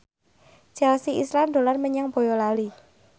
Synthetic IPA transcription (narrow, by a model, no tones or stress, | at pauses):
d͡ʒ̥alsiislamd̪̥o̤larməɲaŋbo̤jɔlali